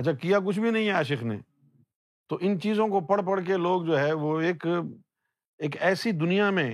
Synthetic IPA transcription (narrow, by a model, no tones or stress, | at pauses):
ɐtt͡ʃʰakijak̬ʊt͡ʃʰbʱinɐɦĩɦɛaːʃ̬ɪxnḛː | t̪oːʔɪnt͡ʃiːzõkopɐɽp̬ɐɽk̬eloːɡd͡ʒoːɦɛʋoːeːk | eːkɛːsid̪ʊnijamẽ